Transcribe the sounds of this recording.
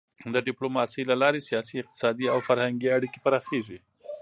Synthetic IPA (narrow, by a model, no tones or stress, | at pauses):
d̪əɖɪplomɑsəjlalɑɾesijɑsiɪq̚t̪ɪ̥sɑd̪iawfaɾhaŋɡiaɽike̥paɾɑxeʐi